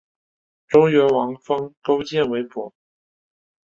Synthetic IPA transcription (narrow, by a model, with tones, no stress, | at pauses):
ʈ͡ʂo˥ʊɥɛ˧˥nwɑ˧˥ŋfɑ˥ŋko˥ʊt͡ɕjɛ˥˩nwe˧˥ɪpɔ̰˨˩